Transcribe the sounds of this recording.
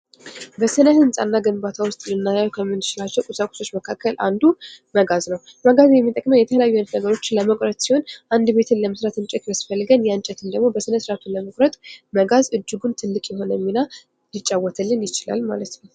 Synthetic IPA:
bəsɨnəhɨnsʼa̰nːaɡɨnbat̪ʰawʊst̪ʼlɨnːajajkʰəmːɨnːɨt͡ʃɪlat͡ʃːɛwkʼusakʼu̥so̞t͡ʃːməkʰakʰːəlʔand̪uməɡaznəw | məɡazjɛmːit̪ʼəkʼməjɛt̪ʰəlɛjajːuɨnd̪nəɡəɾo̞t͡ʃːɪləməkʼɾət̪ʼsiho̞nʔand̪be̞t̪ʰɨnləməsɾat̪ɨnt͡ʃʼɛt̪məsfəlːɨɡənjant͡ʃʼɛt̪ʰɨnd̪əɡmo̞bəsɨnəsɨɾat̪ʰunləməkʼɾət̪ʼməɡazɨd͡ʒːɪɡunt̪ʰɨlːɨkʼjɛɦo̞njɛmːina | lɨt͡ʃʼːawːɔt̪ʰəlːɨnjɪt͡ʃɪla̰lma̰lət̪nəw

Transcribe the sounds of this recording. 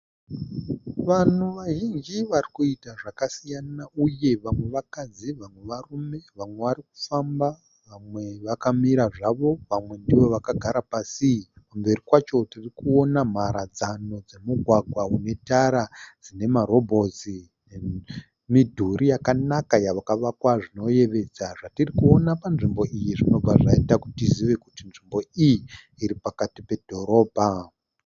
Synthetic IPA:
ʋan̤uʋaʒiŋd͡ʒiʋarikuitaʐakasijanauje̞ʋamwe̞ʋakad͡ziʋamwe̞ʋarume̞ʋamwe̞ʋaɾiku̥famba | ʋamwe̞ʋakamiɾaʐaʋo̞ʋamwe̞ndiʋo̞ʋakaɡʱaɾapasikumbeɾikwat͡ʃo̞tirikuo̞nam̤aɾad͡zano̞d͡ze̞muɡʱwaɡʱwaune̞taɾad͡zine̞maɾo̞bʱo̞zi | e | midʱuɾijakanakajaʋakaʋakwaʐino̞je̞ʋe̞d͡zaʐatirikuo̞napanʐimbo̞ʔijiʐino̞b͡vaʐaitakutiziʋe̞kutinʐimbo̞ijiː | ɾipakatipe̞dʱo̞ɾo̞ːbʱa

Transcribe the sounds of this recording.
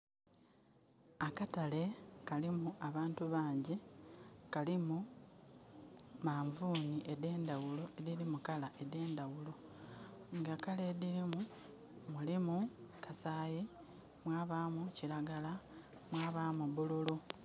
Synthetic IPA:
akatale̞kalimuaβaːntuβaːɲɟi | kalimu | maːɱvuːniʔe̞de̞ːndawulo̞e̞ðiɾimukalaʔe̞de̞ːndawulo̞ | ŋɡakalediɾimu | mulimukʰasaːji | mwaːβaːmucilaɡala | mwaːβamuβululu

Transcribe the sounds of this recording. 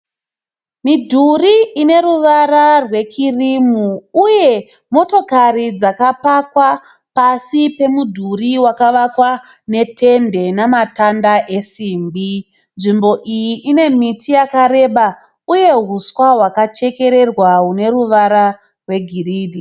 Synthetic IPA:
midʱuriine̞ruʋaɾarwe̞kʰirimuːje̞ | mo̞to̞karid͡zakapakwa | pasipe̞mudʱuriwakaʋakwane̞tʰe̞nde̞namatandaʔesiːmbi | nʐimbo̞ʔijiʔine̞mitʰijakaɾe̞ɓa | uje̞ɦuswaɦwakat͡ʃe̞ke̞ɾe̞rwaɦune̞ruʋaɾa | rwe̞ɡʱiriːdi

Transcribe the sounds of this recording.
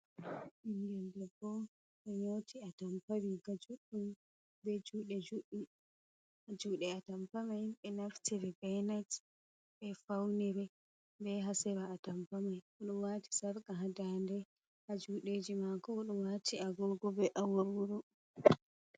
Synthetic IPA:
ʔiŋɡɛndɛɡɔ | ɓɛɲotʰiatampaɾiɡad͡ʒuɗːum | bɛd͡ʒuːɗɛd͡ʒuɗi | ʔad͡ʒuɗɛatampamajɓɛnaftiɾɛbɛnat | ɓɛfawnɛɾɛ | bɛɦasɛɾaːtampamaj | uɗumwati̥saɾkaɦadandɛ | had͡ʒuɗeːd͡ʒimakɔuɗɔmwatʰiaɡɔɡɔbɛʔawawuɾɔ

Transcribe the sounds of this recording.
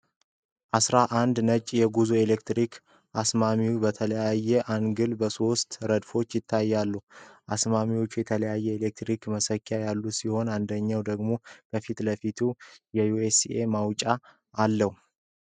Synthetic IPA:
ʔasɾaʔand̪nət͡ʃʼjɛɡuzue̞lekt̪ɾik | ʔasmamiwubət̪ʰələjajːɛʔanɡɨlbəso̞st̪ɾəd̪fo̞t͡ʃːjɪt̪ʰːajːalːuʔasmamiwo̞t͡ʃːujɛt̪ʰələjajːɛelek̚t̪ɾikməsəkːjajalːusiho̞nand̪əɲːawd̪əɡmo̞b̥əfit̪ləfit̪ʰujɛjuesiemawt͡ʃʼaː | lːəhu

